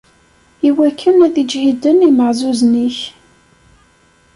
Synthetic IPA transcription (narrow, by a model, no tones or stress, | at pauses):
iwækʰːənæðid͡ʒhid̪əniməʕzuzniç